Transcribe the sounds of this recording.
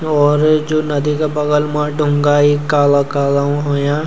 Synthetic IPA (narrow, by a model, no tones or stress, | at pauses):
ɔːɾd͡ʒoːnɐd̪ikapɐɡəlmãɖʱʊ̃ŋɡaːikaːlakaːlaũɦoːjãː